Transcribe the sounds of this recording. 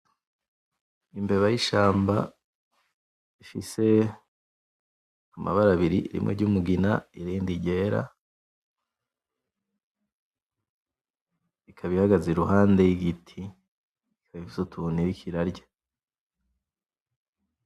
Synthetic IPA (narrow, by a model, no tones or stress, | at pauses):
imbe̞βajiʃaːmba | ifḭse̞ | amʔa̰βaɾaβiɾḭɾḭmŋḛɟumuɡina̰iɾiːndiɟe̞ːɾa̰ | ikʰaβihaɡazeɾuɦaːnde̞jiɡitʰi | ikʰaβifi̥sutuniɾikʰiɾaɾɟḁ